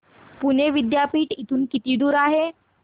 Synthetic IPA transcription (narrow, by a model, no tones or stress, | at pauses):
puneʋid̪japiːʈit̪ʰuːnkit̪iːd̪uːɾaɦe